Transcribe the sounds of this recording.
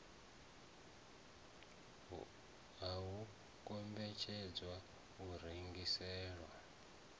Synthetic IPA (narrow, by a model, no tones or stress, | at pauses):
ɦaɦu | kombɛt͡ʃʰɛd͡zwa | uriŋɡisɛːɺwa